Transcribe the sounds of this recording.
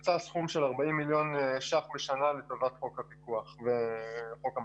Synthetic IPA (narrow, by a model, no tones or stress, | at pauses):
t͡sasχumʃe̞laʁbaimːiljo̞nʃaχbeʃanaletovatχo̞khapikuaχveχo̞ka